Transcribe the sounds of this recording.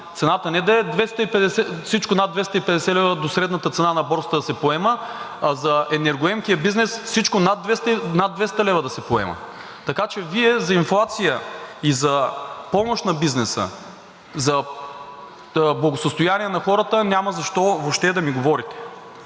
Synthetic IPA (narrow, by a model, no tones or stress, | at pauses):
t̪sɛnat̪ənɛd̪ɐɛd̪vɛst̪əipɛd̪ɛsɛfsit͡ʃkʊnad̪vɛst̪əipɛd̪ɛsɛlɛvəd̪osɾɛd̪nət̪ət̪sɛnanɐbɔɾst̪əd̪ɐsɛpoɛməːzɐɛnɛɾɡoɛmk̟ijəbiznɛsfsit͡ʃkonad̪vɛst̪nad̪vɛst̪ɐlɛvəd̪ɐsɛpoɛ̰mɐ̰ | t̪ɐkat͡ʃɛviɛzɐinflˠat̪sijəizɐpɔmoʃt̪nɐbiznɛsə̰ | zɐ | blˠɐɡosəst̪ʊjaniɛnɐxɔɾət̪ənʲaməzɐʃt̪ɔvopʃt̪ɛd̪ɐmiɡovɔɾit̪ɛ̥